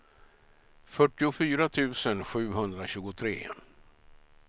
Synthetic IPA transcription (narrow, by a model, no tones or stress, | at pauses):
fœʈːɪʊfyːɾat̪ʰʉ̟ːsənɧʉ̟ːɦɵnd̪ɾaɕʉ̟ːɡʊt̪ʰɾḛː